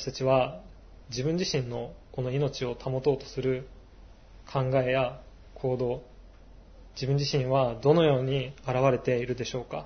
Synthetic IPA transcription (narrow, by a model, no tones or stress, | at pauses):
ataɕi̥t̪at͡ɕiβa | d͡ʑibɯ̟̃ɲ̟d͡ʑiɕĩnːo̞ko̞no̞ino̞t͡ɕio̞t̪ʰamo̞t̪o̞ːt̪o̞̥sɨɾɯ̟ | kʰãŋɡae̞ja | kʰo̞ːd̪o̞ː | d͡ʑibɯ̟̃ɲ̟d͡ʑiɕĩɰ̃βad̪o̞no̞jo̞ːɲ̟iaɾaβ̞aɾe̞t̪e̞iɾɯ̟d̪e̞ɕo̞ːka